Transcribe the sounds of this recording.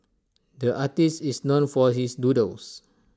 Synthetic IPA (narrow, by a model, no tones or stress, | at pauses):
dəʔatistisnõnfɔɦisdudəls